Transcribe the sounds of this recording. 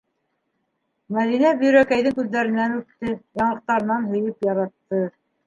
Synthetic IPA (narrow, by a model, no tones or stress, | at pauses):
mæðinæb̆jɵ̆ɾækæjðɘŋkʉðːæɾɘ̆nːænʉpt̪ɘjɑɴlˠɤ̆q̚t̪ɑɾɤ̆nɑnɦɵ̆jɘpjɑɾɑt̪ːɤ